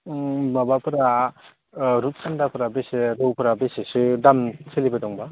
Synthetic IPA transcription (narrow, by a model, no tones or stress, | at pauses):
mabapʰɯɾa | ɾut̚sʰandapʰɯɾabeseɾɯwpʰɯɾabesesɯdamsʰelibadɔŋba